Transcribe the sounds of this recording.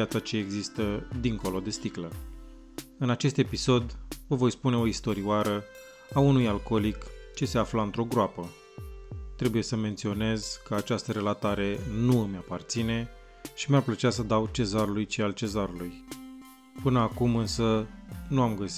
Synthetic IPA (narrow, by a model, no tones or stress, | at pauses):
jat̪sat͡ʃe̞ːɡzist̪əd̪iŋko̞lo̞d̪e̞st̪iklə | ɨnat͡ʃe̞st̪e̞piso̞d̪vəvo̞jspune̞o̞ist̪o̞ɾiwaɾə | aunujalko̞likt͡ʃe̞se̞aflaɨnt̪ɾo̞ɡɾoapə | t̪ɾe̞buje̞səme̞nt̪sio̞ne̞zkəat͡ʃast̪əɾe̞lat̪aɾe̞nuɨmjapart̪sine̞ | ʃimarplət͡ʃas̬əd̪awt͡ʃe̞zaɾulujt͡ʃialt͡ʃe̞zaɾuluj | pɨnəakumɨnsənuamɡəsi